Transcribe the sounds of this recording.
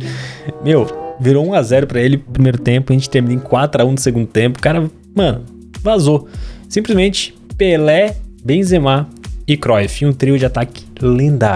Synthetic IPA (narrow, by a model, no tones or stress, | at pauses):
mewviɾoũazɛɾʊpɾɐelɪpɾimejɾʊt̪ẽpʊɐʒẽnt͡ʃɪt̪eɾminoẽkwat̪ɾaũd̪ʊseɡũnd̪ʊt̪ẽmpʊ̥kaɾɐ | mɐ̃nʊ̰ | vazosĩplizmẽt͡ʃɪ̥ | pelɛbẽzemaɪkɾɔjfiũt̪ɾiʊd͡ʒɪat̪akɪ̥lĩd̪a̰